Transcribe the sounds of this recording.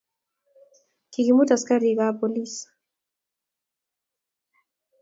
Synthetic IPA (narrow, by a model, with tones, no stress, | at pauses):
kiki˨mu˦ta˨ska˦ɾi˨ka˦po˨lis